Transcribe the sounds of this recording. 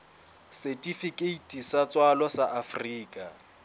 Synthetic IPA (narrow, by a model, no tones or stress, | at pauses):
setʼifikʼeitʼisat͡sʼwalwasaʔafriːkʼa